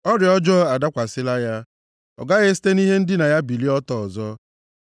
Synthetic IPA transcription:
ɔ˦ɾɪ˨ɔ˦d͡ʒɔ˦a˨da˦kʷa˨sɪ˦la˦ja˦ | ɔ̰˨ɡa˦ɣe˦si̥˦te˦ni˦ɦe˦n̩˦dɪ˦na˨ja˦bi˨li˦ɔ˦tɔ˨ɔ˨zɔ˦

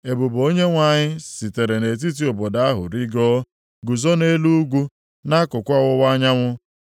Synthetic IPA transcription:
e˨bu˨bo˦ɲe˦ŋʷa˨ɲɪ˦si˨te˨ɾe˨ne˨t̬i˦t̬i˦o˨bɔ˨da˦a˦ɦʊ̰˨ɾi˦ɡɔ˦ | ɡu˨zɔ˦ne˦lu˦ɡʷu˦ | na˦kʊ˨kʷa˦ɣʊ˦wa˦ɲa˦ŋʷʊ˦

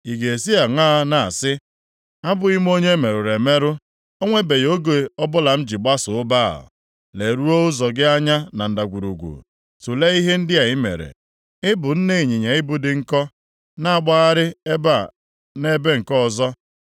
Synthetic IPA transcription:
i˨ɡe˨si˦a˨ŋa˦na˨a̰˨sɪ˦ | a˦bʊ˨i˦m˦o˦ɲe˦me˨ɾʊ˨ɾe˨me˦ɾʊ˦ | o˦ŋʷe˦be˨jo˦ɡe˨ɔ˦bʊ˦la˨m̩˦d͡ʒi˨ɡ͡ba˦sʊ˨ʊ˦ba̰˦˨ | le˨ɾu˦o˦ʊ˦zɔ˨ɡɪ˦a˦ɲa˦na˨n̩˨da˨ɡʷu˨ɾu˨ɡʷṵ˨ | su˨le˦i˦ɦe˦n̩˦dɪ˦a˨i˦mḛ˨ɾḛ˨ | ɪ˦bʊ˨n̩˦ne˦˨ɲi˨ɲe˨ɪ˦bʊ˨dɪ˨ŋ̩˦kɔ˦ | na˦a˨ɡ͡ba˦a˦ɾɪ˦e˦ba˦˨ | ne˦be˦ŋ̩˨kɔ˦ɔ˨zɔ˦

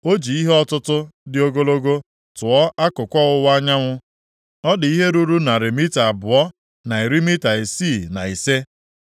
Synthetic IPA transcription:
o˦d͡ʒi˨i˦ɦe˦ɔ˦tʊ˦tʊ˦dɪ˨o˦ɡo˦lo˦ɡo˦ | tʊ˨ɔ˦a˦kʊ˨kʷɔ˦ʊ˦wa˦ɲa˦ŋʷʊ˦ | ɔ˦dɪ˨i˦ɦe˦ɾu˦ɾu˦na˨ɾe˨mi˦ta˨a˨bʊ˨ɔ˦ | na˨e˨ɾi˦mi˦ta˨e˨siː˦˨na˨i˨se˦

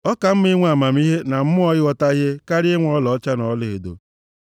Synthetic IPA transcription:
ɔ˦ka˨m̩˦m˦i˦ŋʷ˦a˨ma˨m˦i˦ɦe˦na˨m̩˦mʊ˦ɔ˦ɣɪ˦ɔ˦ta˦ɦe˦ka˦ɾe˦ŋʷ˦ɔ˦lɔ˨˦t͡ʃa˦nɔ˨˦lɪ˨ɣe˨do̰˨

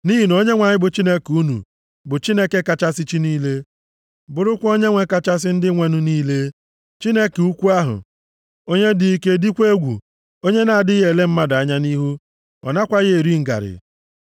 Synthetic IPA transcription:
ni˦ɦi˨no˦ɲe˦ŋʷa˨ɲɪ˦bʊ˨t͡ʃi˦ne˦ku˦nṵ˨ | bʊ˨t͡ʃi˦ne˦ke˦ka˨t͡ʃa˦si˦t͡ʃi˦niː˦le˦ | bʊ˨ɾʊ˦kʷo˦ɲe˦ŋʷe˦ka˨t͡ʃa˦s̬ɪ˦n̩˦dɪ˦ŋʷe˦nu˦niː˦le˦ | t͡ʃi˦ne˦ke˨u˦kʷu˦a˦ɦʊ̰˨ | o˦ɲe˦dɪ˦i˦ke˦di˦kʷe˦ɡʷṵ˨ | o˦ɲe˦na˨a˨dɪ˦ɣe˨le˦m̩˦ma˦da˨a˦ɲa˦ni˦ɦu˦ | ɔ̰˨na˦kʷa˦ɣe˦e˨ɾi˦ŋ̩˨ɡa̰˨ɾɪ̰˨

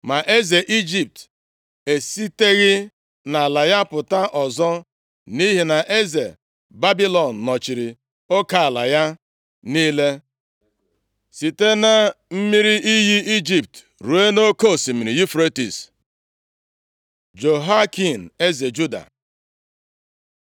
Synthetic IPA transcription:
ma˨ʔe˦ze˨ʔi˦d͡ʒi˨p̚t | e˨si˦te˦ɣɪ˦ | na˨a˨la˨ja˦pʊ˨ta˦ʔɔ˨zɔ˦ | ni˦ɦi˨na˨ʔe˦ze˨ | ba˦bi˦lɔ˨n̩ː˨ɔ˨t͡ʃi˨ɾi˨ | o˦ka˨a˨la̰˨ja˦ | niː˦le˦ | si˨te˦na˦m̩˦mi˦ɾi˦ʔi˦ɦi˦i˦d͡ʒi˨p̚t | ɾu˨e˦no˦ko˦˨si˨mi˨ɾi˨ji˦fɾe˦tḭ˨s | d͡ʒo˨ɦa˦ki˨n̩˨e˦ze˨d͡ʒu˦da̰˨

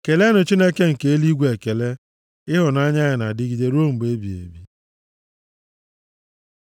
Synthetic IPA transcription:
ke˨le˦nʊ˨t͡ʃi˦ne˦ke˦ŋ̩˨ke˦e˦li˦ɡʷe˨ke˨le˦ | ɪ˦ɦʊ˨na˦ɲa˦ɣɪ˨na˨dɪ˦ɡi˨de˦ɾo˦m̩˨be˦bi˨ḛ˨bi˦

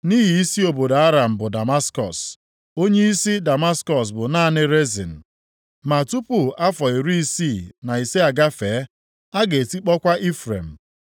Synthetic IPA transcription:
ni˦ɦi˨i˦si˦o˨bo˨da˨a˦ɾa˨m̩˨bʊ˨da˨ma˦skɔ˨s | o˦ɲe˦i˦si˦da˨ma˦skɔ˨s̬bʊ˨na˦˨nɪ˦ɾe˦zḭ˨n̩˨ | ma˨tu˦pʊ˨a˦fɔ˨i˨ɾu˦i˦si˦˨na˨i˨se˦a˨ɡa˦feː˨˦ | a˦ɡe˨e˨ti˦k͡pɔ˦kʷa˦ʔi˦fɾḛ˨m̩˨

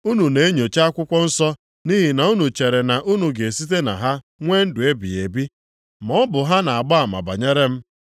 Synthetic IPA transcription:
u˦nu˨ne˨˦e˦ɲo˨t͡ʃa˦a˦kʷʊ˦kʷɔ˦n̩˦sɔ˦ | ni˦ɦi˨na˨u˦nu˨t͡ʃe˨ɾe˨na˨ʔu˦nu˨ɡe˨si˦t̬e˦na̰˨ɦa˦ | ŋʷe˦n̩˦dʊ˨e˦bḭ˨e˨bi˦ | mɔ˦bʊ˨ɦa˦na˨a˨ɡ͡ba˦a˨ma̰˨ba̰˨ɲe˦ɾe˦m̩˦

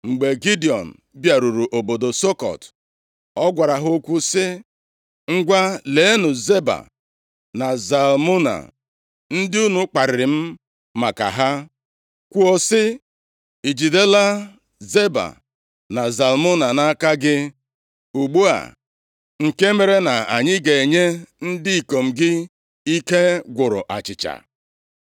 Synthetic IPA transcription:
ŋ͡m̩˨ɡ͡be˨ɡi˦di˨ɔ˨n̩˨bja˨ɾu˨ɾu˨ʔo˨bo˨do˨so˦kɔ̰˨t | ɔ˦ɡʷa˨ɾa˨ɦo˦kʷu˦sɪ˦ | ŋ̩˦ɡʷa˦leː˨˦nʊ˨ze˦ba̰˨ | na˨za˨lmu˦na̰˨ | n̩˦dɪ˦u˦nu˦k͡pa˨ɾɪ˨ɾɪ˨m̩˦ | ma˨ka̰˨ɦa˦ | kʷu˦ɔ˦sɪ˦ | i˨d͡ʒi˨de˦la˦ | ze˦ba̰˨ | na˨za˨lmʊ˦na˨na˦ka˦ɡɪ˦ | u˨ɡ͡bu˦a̰˨ | ŋ̩˨ke˦me˦ɾe˦na˨a̰˨ɲɪ˦ɡe˨e˨ɲe˦n̩˦dɪ˦i˨ko˨m̩˨ɡɪ˦ | i˦ke˦ɡʷʊ˨ɾʊ̰˨ʔa˨t͡ʃɪ˨t͡ʃa̰˨

